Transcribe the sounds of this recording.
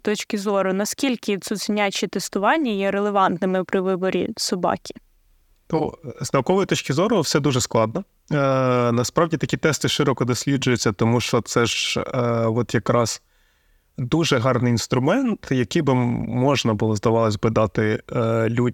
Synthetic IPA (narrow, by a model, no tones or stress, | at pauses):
t̪ɔt͡ʃkʲɪzɔɾʊnɐskʲilʲkɪt̪sʲʊzʲinʲat͡ʃit̪est̪ʊʋɑnʲːɐjɛɾelˠeʋɑnt̪nɪmɪpɾɪʋɪbɔɾʲḭsɔbɑ̰kʲi̥ | t̪o̰znɐwkɔʋɔjit̪ɔt͡ʃkʲɪzɔɾʊwsɛd̪uʒɛsklˠɑd̪nɐ | nɐspɾɑwdʲit̪ɐkʲit̪ɛst̪ɪʃɪɾɔkɔd̪ɔsʲlʲid͡ʒʊjʊt͡sʲːɐt̪ɔmuʃt͡ʃɔt̪sɛʒ | ʋɔt̪jɐkɾɑz | d̪uʒɛɦɑrnɪjinst̪ɾʊmɛnt̪jɐkɪjbɪmɔʒnɐbʊlˠɔzd̪ɐʋɑlˠɐsʲbɪd̪ɑt̪ɪlʲu